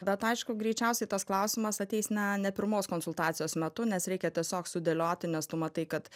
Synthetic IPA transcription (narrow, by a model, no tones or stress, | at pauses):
bʲɛt̪ɐɪʃkʊɡɾʲɛɪt͡ʃʲɛʊsʲɛɪt̪ɐsklˠɐʊsʲɪmɐsɐt̪ʲɛɪsnʲɐnʲɛpʲɪɾmoːskoːnsʊlˠt̪ɑːt͡s̪ʲɪjoːsmʲɛt̪ʊnʲɛsɾʲɛɪkʲɛt̪ʲiɛsʲoːksʊd̪ʲeːlʲoːt̪ʲɪnʲɛst̪ʊmɐt̪ɐɪkɐt̪